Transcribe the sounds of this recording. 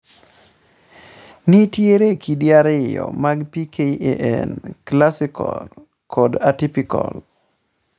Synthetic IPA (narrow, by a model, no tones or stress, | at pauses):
nɪtjeɾekʰidiaɾɪjɔ̰maɡpikʰeeʔɛ̰nklasɪkʰɔ̰l | kʰɔdatipikɔ̰l